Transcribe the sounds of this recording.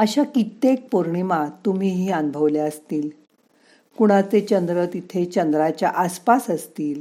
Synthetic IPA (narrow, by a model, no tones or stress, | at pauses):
əɕakit̪ek̚poɾɳimat̪um̤iːɦiːanbʱəʋljaəst̪iːl | kuɽ̃at͡set͡ɕənd̪ɾət̪it̪ʰet͡ɕənd̪ɾat͡ɕja̰ʔaspasəst̪iːl